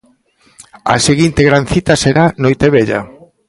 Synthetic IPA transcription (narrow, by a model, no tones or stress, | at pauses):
ɐ̰seɣint̪eɣɾanθit̪ɐseɾanojt̪eβeʎa̰